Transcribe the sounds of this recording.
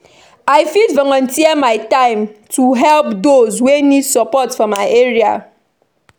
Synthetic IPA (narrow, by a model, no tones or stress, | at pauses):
aɪfidvɔŋɔ̃ntiɛmaɪtãɪ̃mtʰuɦɛlpdozwenidsɔpɔtfɔmaɪʔeɹia̰